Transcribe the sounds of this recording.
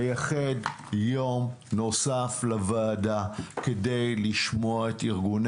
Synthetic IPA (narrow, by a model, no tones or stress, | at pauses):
jaχed | jo̞m | no̞saflavaːdakede̞jliʃmo̞aetiʁɡun